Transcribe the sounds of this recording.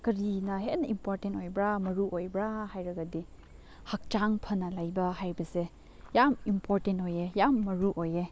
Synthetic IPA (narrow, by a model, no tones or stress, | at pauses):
kɐɾinɐɦetnɐʔimpoɾtentojbɾamɐɾuʔojbɾahajɾɐɡadi | hak̚t͡ʃaŋpʰɐnɐlajbɐhajbɐse | jamimpʰoɾtentojejamːɐɾuʔoje